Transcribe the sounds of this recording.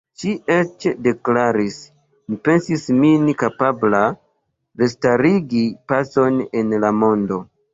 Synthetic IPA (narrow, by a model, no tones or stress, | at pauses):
ʃiet͡ʃde̞klaɾis | mipe̞nsisminikapabla | de̞staɾiɡipaso̞ne̞nlamo̞ndo̞